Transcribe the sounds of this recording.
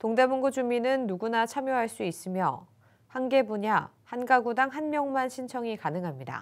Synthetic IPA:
toŋde̞muŋɡud͡ʑuminɯnːuɡunat͡ɕʰamjoɦaɭs͈uis͈ɯmjʌ̰ | hanɡe̞buɲa | hanɡaɡudaŋɦanmjʌŋmanɕʰint͡ɕʰʌŋikanɯŋɦamɲida̰

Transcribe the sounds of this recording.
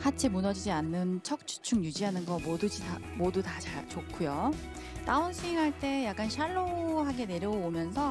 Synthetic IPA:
hat͡ɕʰemunʌd͡ʑid͡ʑianːɯnt͡ɕʰʌk̚t͡ɕʰu̥t͡ɕʰuŋjud͡ʑiɦanɯnɡʌmodɯd͡ʑia | modutat͡ɕat͡ɕokʰujo | t͈aunsʰɯiŋɦaɭt͈e̞jak͈̚anɕʰaɭːoɦaɡe̞ne̞ɾjʌɡoomjʌnsʰʌ

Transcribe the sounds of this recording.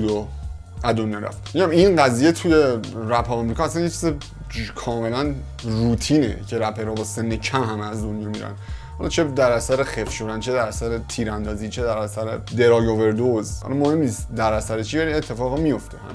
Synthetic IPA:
ud̪o | æd̪onːæɾæ̰ft̪miɟæminɢæziːjet̪ʰuje̞ɾæpʰɒːmɾikɒːæsænjet͡ʃʰize | kʰɒːme̞læn | ruːt̪ʰiːnḛcʰe̞ɾæpʰeɾɒːbɒːsenːecʰæmɦæmæzd̪o̞njɒːmiɾæ̰nd̪hɒ̰lɒt͡ʃʰe̞d̪æɾæsæɾexefʃod̪ænt͡ʃʰed̪æɾæsæɾet̪ʰiːɾænd̪ɒːziːt͡ʃʰed̪æɾæsæɾed̪e̞ɾɒːjove̞ɾd̪ozhɒ̰lɒmohe̞mniːst̪d̪æɾæsæɾet͡ʃʰiːvæliet̪ʰːe̞fɒːɣmijo̞ft̪ʰehæ̰m

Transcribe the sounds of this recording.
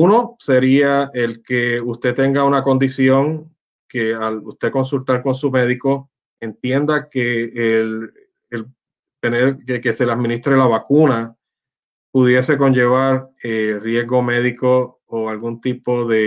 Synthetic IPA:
uno̞se̞ɾiae̞lke̞ust̪e̞t̪e̞ŋɡaunako̞nd̪isjo̞ŋ | ke̞alust̪e̞ko̞nsult̪aɾko̞nsume̞ðiko̞ | e̞nt̪je̞nd̪akeːlː | l | t̪e̞neɾkeke̞se̞lad̪mĩnist̪ɾelaβakuna | puðje̞se̞ko̞ɲd͡ʒe̞β̞aɾerje̞zɡo̞me̞ðiko̞ː | alɡunt̪ipo̞ðe̞

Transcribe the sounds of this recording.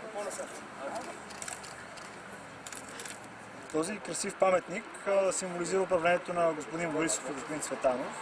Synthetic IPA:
t̪ɔzikɾɐsifpamɛt̪nik | simboliziɾəʊp̬ɾɐvlɛnɛt̪onɐɡospod̪inboɾiso̥fɡospoʊd̪insvɛt̪anof

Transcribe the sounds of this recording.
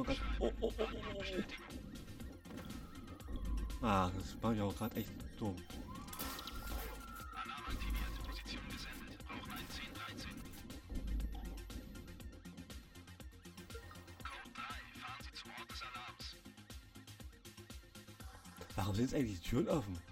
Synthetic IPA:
ɡaːʔoʔ | ʔaːd̥asmaːχɪçʊɡ̥ʁaːtʔɛçtd̥om | ʔalaːmatʰiviadəpʰozit͡sjoːnɡəzɛndətḁaɪt͡seːndʁaɪt͡seːn | kʰɔd̥ʁaɪfaːʁənziːt͡sumɔɐt̚d̥ɛsalaːms | vaʁʊmzɪntsʔaɪɡŋtlɪçditʰyːʁənɔfn̩

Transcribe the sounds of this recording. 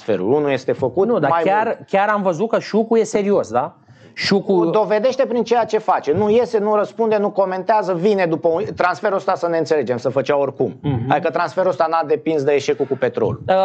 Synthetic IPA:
sfḛɾṵlunuje̞st̪e̞fəkut̪nud̪amajarkʲaɾamvəzut̪̚kəʃukuje̞se̞ɾio̞sd̪a | ʃukud̪o̞ve̞d̪e̞ʃt̪e̞pɾint͡ʃe̞jat͡ʃe̞fat͡ʃe̞nuje̞se̞nuɾəspund̪enuko̞me̞nt̪eazəvine̞d̪upəut̪ɾansfe̞ɾuost̪asəne̞nt̪sele̞d͡ʒe̞msəfət͡ʃaorkuma̰d̪ikət̪ɾansfe̞ɾuost̪anad̪e̞pinsd̪eeʃe̞kukupe̞t̪ɾo̞̰luə

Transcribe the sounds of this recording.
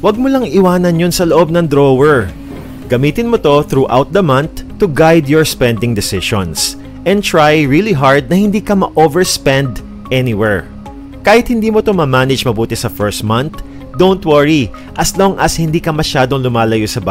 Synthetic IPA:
wɐɡ̚molɐŋɪwaːnɐnjonsɐloʔo̞b̚nɐŋd̪ɾowɛɹ | ɡ̥ɐmiːt̪ɪnmot̪o̞θɾuʔa̰wt̪̚d̪ɐmɐnt̪ːʊɡajd̪jɔɹspɛ̃nd̪ɪŋd̪ɛsɪʃõ̰ns | ʔɛ̃nt̪ɹajɹiliɦaɹd̪̚nɐhɪnd̪iːkɐmɐʔovɛɹspɛ̃nd̪ | ʔɛnɪwɛɹ | kaːhɪt̪hɪnd̪iːmot̪ʊmamaːnɛd͡ʒmɐbuːt̪ɛsɐfɛɹst̪mɐ̃nt̪ | d̪ownt̪wɐɹi | ʔɐslo̞ŋʔɐshɪnd̪iːkɐmɐʃaːd̪oŋlʊmaːlɐjosɐba

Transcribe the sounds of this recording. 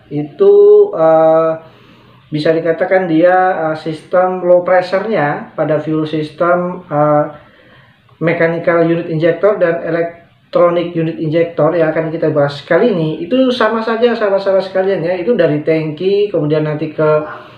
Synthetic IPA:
it̪uə | bisadikat̪akandiaəsist̪əmlopɾɛsərɲapadafjulsist̪əmə | ekanikaljunɪt̪ind͡ʒɛk̚t̪ɔrdanelɛk̚ | t̪ɾonɪkjunɪt̪ind͡ʒɛk̚t̪ɔrjakarnakit̪abaɦasə̥kaliniit̪usamasad͡ʒasamasamasə̥kalianjait̪udaɾit̪ɛŋkikəmudianːant̪ikə

